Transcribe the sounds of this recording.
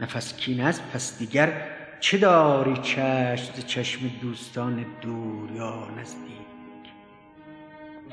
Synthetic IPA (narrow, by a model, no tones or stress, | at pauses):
næfæskʰiːnæst̪̚pʰæsd̪iːɡæɾ | t͡ʃʰed̪ɒːɾiːt͡ʃʰæʃmzet͡ʃʰæʃmed̪uːst̪ʰɒːned̪uːɾjɒːnæzd̪iːkʰ